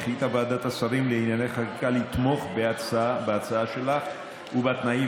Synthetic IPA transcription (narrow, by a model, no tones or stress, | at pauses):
χit̪abaːd̪at̪asaʁimleinjaneχaʁikalit̪mo̞χbeat͡saabeat͡saaʃe̞laχ | ubat̪nai